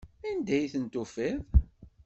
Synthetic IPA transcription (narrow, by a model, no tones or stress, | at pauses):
ænd̪æjθənt̪ufiv